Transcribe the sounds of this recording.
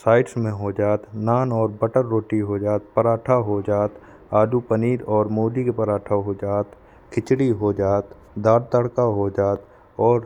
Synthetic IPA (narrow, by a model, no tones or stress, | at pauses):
saːɪʈsmẽɦod͡ʒaːt̪naːnɔːɾbəʈəɾːoːʈiɦod͡ʒaːt̪̚pəɾaːʈʰaɦod͡ʒaːt̪ | aːd̪ʱupəniːɾɔːɾmoːɖikepəɾaːʈʰaɦod͡ʒaːt̪ | kʰɪt͡ʃɽiɦod͡ʒaːt̪ | d̪aːɾt̪əɽkaɦod͡ʒaːt̪ | ɔːɾ